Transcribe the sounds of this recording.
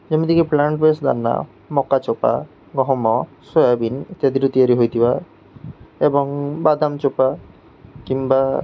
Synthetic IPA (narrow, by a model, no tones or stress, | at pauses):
d͡ʒamid̪ikiplaɳʈbesd̪a̰ɾna̰ | mɔkat͡ʃɔpa̰ | ɡɔɦɔmɔsojabinet̪iad̪ʱiɾot̪iaɾiɦojt̪ʰiba | ebɔŋbad̪amt͡ʃopa | kimba